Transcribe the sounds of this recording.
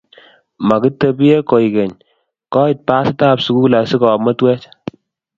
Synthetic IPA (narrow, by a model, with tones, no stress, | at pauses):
ma˨ki˦tɛ˦bi˦je˦ko˨i˨kɛ˨ɲ | kɔ˦i˨t̚paː˦sɪ˦ta˦psu˨˦ku˦la˨si˦kɔ˨mɔ˦twɛ˦t͡ʃ